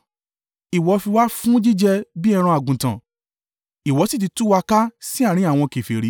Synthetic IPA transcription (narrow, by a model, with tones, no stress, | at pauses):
i˨wɔ˨˧fi˧wa˦fũ˦d͡ʒi˦d͡ʒɛ˧bi˦ɛ˧ɾ̃ã˧a˨ɡũ˨tã̰˨ | i˨wɔ˨˧˦si˦˨t̬i˧tu˦wa˧ka˦si˦a˦˨ɾ̃ĩ˦a˦˨w̃ɔ̃˧ke˨fe˨ɾi˨˦